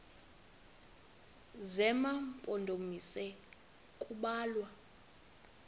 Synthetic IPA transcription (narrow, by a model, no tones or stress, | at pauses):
zɛmampʼondʱomisɛ | kʼuɓaːlwa